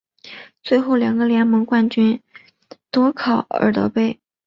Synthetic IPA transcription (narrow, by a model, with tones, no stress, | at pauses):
t͡swe˥˧ɪxo˥˩ʊljɑ˨˩ŋɡə˦ljɛ˧˥nmɤ˧˥ŋkwa˥˩nt͡ɕy˥n | t̪wɔ˥kʰɑ˨˩˦ʊə̰˞˨˩t̪ɤ̰˧˥pe˥˩ɪ